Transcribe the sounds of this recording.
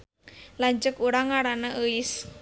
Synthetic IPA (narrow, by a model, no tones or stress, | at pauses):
laɲd͡ʒəkuɾaŋaɾanaʔəɪs